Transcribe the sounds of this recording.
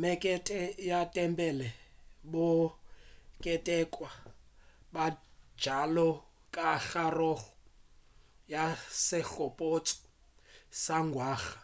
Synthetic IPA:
mɛkʼɛtʼɛjatʼɛmbɛlɛbʊ | kʼɛtʼɛkʼwa | bḁd͡ʒalɔ | kʼaxarɔɣɔ̥ | jasɪɬɔpʼotʼɔ̥ | saŋɡʱwaːɣa

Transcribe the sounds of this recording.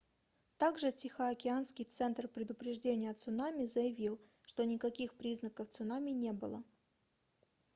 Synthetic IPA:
t̪aɡʐɨtʲɪxəɐkʲɪanskʲɪjt̪sɛnt̪rpɾʲɪd̪ʊpɾʲɪʐdʲenʲɪjət̪sʊnamʲɪzəjɪvʲilˠ | ʂt̪o̞nʲɪkɐkʲixpɾʲiznəkəft̪sʊnamʲɪnʲe̞bɨlˠə

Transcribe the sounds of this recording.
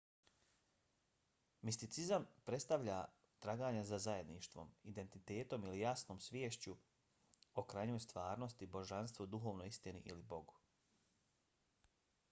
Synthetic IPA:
mist̪it̪sizampɾet̪st̪aʋʎa | t̪ɾaɡaːɲazazaje̞d̪niʃt̪ʋo̞̰mid̪e̞nt̪it̪eːt̪o̞milijasno̞ːmsʋʲjeːʃt͡ɕu | okɾaɲojst̪ʋaːɾno̞st̪ibo̞ʒanst̪ʋod̪uxo̞ːʋnoist̪iniʔilibo̞ɡu

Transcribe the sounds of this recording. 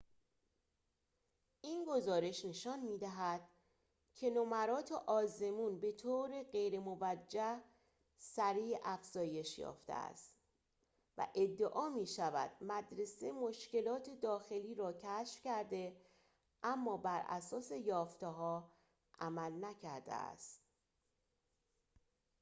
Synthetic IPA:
ʔiːnɡo̞zɒːɾe̞ʃne̞ʃɒːnmiːd̪æɦæd̪̥̚ | cʰe̞nomæɾɒːt̪ʰeʔɒːze̞muːnbe̞t̪ʰoːɾeɢe̞jɾemo̞væd͡ʒːæh | sæɾiːʔæfz̥ɒːje̞ʃjɒ̰ːft̪ʰḛæ̰st̪ | væ̰ʔe̞d̪ːeʔɒːmiːʃævæ̰d̪̥mæd̪ɾe̞semo̞ʃce̞lɒːt̪ʰe̞d̪ɒːxe̞liːɾɒːcʰæʃfcæɾd̪e̞ | ʔæmːɒːbæɾʔæ̰sɒːse̞jɒːft̪eɦɒː | ʔæmælnæcʰæɾd̪ḛæ̰st̪

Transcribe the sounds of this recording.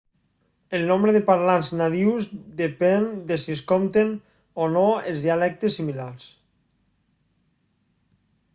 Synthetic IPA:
elˠnombɾeðepaɾlanznaðiwzd̪epɛnd̪esieskomt̪en | onoelˠzðialɛk̚t̪esːimilaɾs

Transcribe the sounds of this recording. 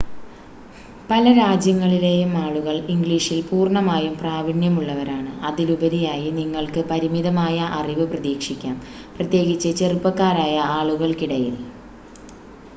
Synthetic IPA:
pɐlɐɾaːd͡ʑjɐŋːɐɭile̞jumaːɭuɣɐɭiŋɡɭiːʂilpuːrɳɐmaːjumpraːbinjɐmuɭːɐʋɐɾaːɳɨɐðilubɐɾijaːjiniŋːɐɭkɨpɐɾimiðɐmaːjɐʔɐriʋɨprɐðiːkʂikʲːaːm | prɐt̪je̞ːɣit͡ɕːɐt͡ɕerupːɐkːaːɾaːjɐaːɭuɣɐɭkiɽɐjil

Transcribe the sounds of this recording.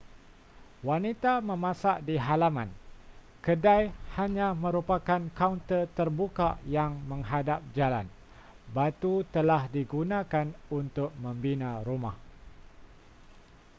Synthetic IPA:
wanit̪amə̃mãsaʔdiɦalamã̰n | kədajhaɲãmə̃ɾupakankawnt̪ət̪ərbukaʔjaŋmə̃ŋɦadap̚d͡ʒala̰n | bat̪ut̪əlahdiɡunãkanunt̪ʊk̚mə̃mbinãɾumah

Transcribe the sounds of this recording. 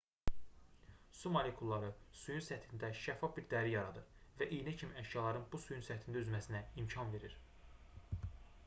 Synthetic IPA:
sumolekʰulˠːɑɾɯsujunsæt̪ʰind̪æʃæfːɑfbiɾd̪æɾijɑɾɑd̪ɯɾvæʔijnæcʰimiæʃjɑlˠɑɾɯnbusujunsæt̪ʰind̪æyzmæsinæimcʰɑnve̞ɾiɾ

